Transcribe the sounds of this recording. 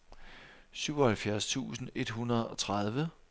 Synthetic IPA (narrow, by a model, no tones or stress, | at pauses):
syʊɒhælfjæɐst͡sʰṵːsn̩e̝d̥ɦunɐðˠɒ̽t͡sʰʁɑð̞ˠʋə